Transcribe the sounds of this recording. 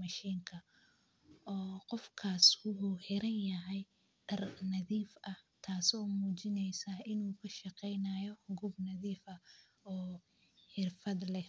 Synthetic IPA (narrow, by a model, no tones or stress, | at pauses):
mɐʃiːŋkʰɐ | ʔɔːqɔfkʰaːswʊħuːħɛɾɐnjɐɦɛj | ɖ̥ɐrnɐðiːfɐt̪ʰaːsɔːmuːt͡ʃɪnɛjsaːɪnuːkʰɐʃɑqɛjnaːjɔhʊɡuːbnɐðiːfɐ | ɔː | ħɪrfɐd̪lɛ